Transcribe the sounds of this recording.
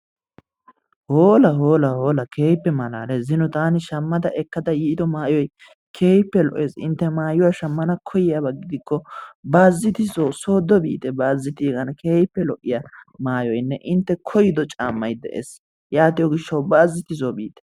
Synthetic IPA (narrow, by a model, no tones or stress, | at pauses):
hoːlɐɦo̞ːlɐhoːlɐkʰeːjpːɛmɐla̰ːlɛzɪnʊt̪aːnɪʃɐmːɐd̪ɐʔɛkːɐd̪ɐjiːd̪ɔmaːjɔj | kʰe̞ːjpːɛlɔʔeːsɪ̰nt̪ːɛmaːjʊwaʃɐmːɐnɐkʰɔjɪjabɐɡɪd̪ɪkːɔbaːzːɪt̪ɪzoso̞ːd̪ːɔbḭːt̪ɛbaːzːɪt̪iːɡɐnkʰeːjɪpːɛlɔʔːɪjɐmaːjɔjnːɛʔɪnt̪ːɛkʰɔjɪd̪ɔt͡ʃʼa̰ːmːɐjd̪ɛ̰ʔḛːs | jaːt̪ɪjɔɡɪʃːɐwbaːzːɪt̪ɪzobḭːt̪ɛ̥